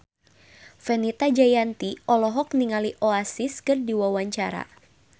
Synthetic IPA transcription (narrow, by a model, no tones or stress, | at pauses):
fɛnit̪ad͡ʒajant̪iɔlɔɦɔk̚niŋaliʔoasɪskɨrdiwawaɲt͡ʃaɾa̰